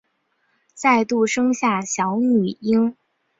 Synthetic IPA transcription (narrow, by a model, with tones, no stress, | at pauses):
t͡sa˥˧ɪt̪u˥˩ʂɤ˥ŋɕja˥˩ɕjɑ˧˥ʊny˨˩i˥ŋ